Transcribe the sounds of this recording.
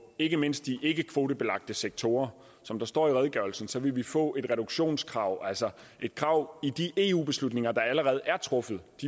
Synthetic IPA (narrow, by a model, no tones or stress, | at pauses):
e̝ɡ̥əme̝n̰sd̥iʔe̝ɡ̥əkʰʋo̝ːɾəb̥e̝lɑ̈ɡ̥̚d̥əseɡ̥̚t͡sʰo̝ːɐ | sɒ̽md̥ɑ̈sd̥ɒ̰ːiʁɛð̞ˠɡ̥ɶɐl̩sn̩sɒ̽ʋe̝ʋifɔ̰̽ːʔe̝d̥ʁɛɾ̥uɡ̥ɕo̝̰ːnskʰʁɑ̈ʊ̰ʔælsɒ | ʔe̝d̥̚kʰʁɑ̈ʊ̰id̥iʔe̝ːṵːb̥e̝slud̥ne̝ŋɐd̥ɑ̈æləʁɛːð̞̩ˠæɐt͡sʰʁɔ̽fð̩ˠd̥i